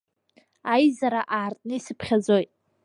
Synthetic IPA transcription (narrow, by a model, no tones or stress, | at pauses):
ajzaɾaʔaːrtʼnɨisɨpʰχʲad͡zo̞jtʼ